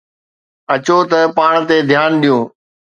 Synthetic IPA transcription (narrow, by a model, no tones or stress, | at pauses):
ɐt͡ɕot̪ɐpaːɽ̃t̪ed̪ʱjaːnɗijũː